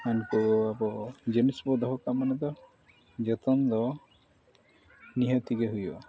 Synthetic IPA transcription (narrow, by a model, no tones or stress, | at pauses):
anʈuabɔd͡ʒenisbɔd̪ʱɔɦɔkamanɔd̪ɔ | d͡ʒet̪ɔnd̪ɔ | niɦɔt̪iɡeɦujɔ̰